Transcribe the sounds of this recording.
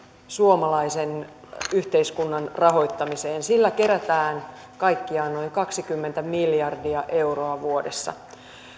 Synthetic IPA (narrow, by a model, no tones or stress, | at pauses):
suomɑlɑisen | yht̪eiskunːɑnrɑɦo̞jt̪ːɑmiseːnsilːæke̞ɾæt̪æːn | kɑjkːiɑːnno̞iŋkɑksikymːent̪æmiljɑrdiɑʔe̞uro̞ɑʋuodesːɑ̰